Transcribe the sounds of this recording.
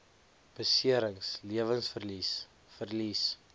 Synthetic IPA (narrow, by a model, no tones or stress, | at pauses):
b̥əsiəɾəŋsliəvənsfərlis | fərlis